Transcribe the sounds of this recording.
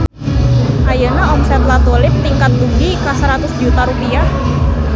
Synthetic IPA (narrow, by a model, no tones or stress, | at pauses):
ʔajənaɔmsɛt̪̚lat̪olɪp̚t̪iŋkat̪̚lubikasəɾat̪ʊsd͡ʒut̪aɾupiah